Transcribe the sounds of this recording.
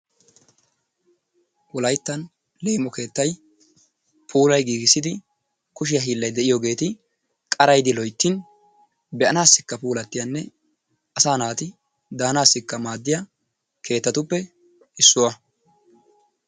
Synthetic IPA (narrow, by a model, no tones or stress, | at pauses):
wɔlɐjt̪ːɐn | leːmɔke̞ːt̪ːɐj | pʰuːlɐjɡiːɡɪsːɪd̪ɪ | kʊʃ̬ɪjɐɦiːlːɐjd̪ɛʔɪjɔɡe̞ːt̪ɪ | kʼɐɾɐjd̪ɪlɔjt̪ːɪn | bɛʔɐnaːsːɪkːɐpuːlɐt̪ːɪjɐnːɛ | ɐsaːnaːt̪ɪ | d̪aːnaːsːɪkːɐmaːd̪ːɪjɐ | kʰe̞ːt̪ːɐt̪ʊpːɛ | ɪsːʊwɐ